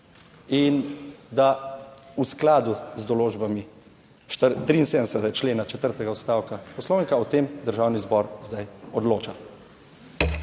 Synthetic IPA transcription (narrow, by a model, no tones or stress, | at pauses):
ind̪ausklaːd̪uzd̪ɔloːd͡ʒbami | ʃt̪ət̪ɾiːnsed̪nɛsɛt̪ɛɡat͡ʃleːnat͡ʃɛt̪əɾt̪ɛɡaɔst̪aːwkapɔslɔːʋŋkaɔt̪eːmd̪əɾʒaːwnizbɔɾzd̪ajɔd̪loːt͡ʃa